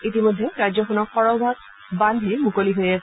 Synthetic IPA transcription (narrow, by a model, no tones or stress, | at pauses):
itimojdʱːɛɹazɔxɔnɔkxɔɹɔbʱaɡ̚ | bandʱiɹmukoliɦojas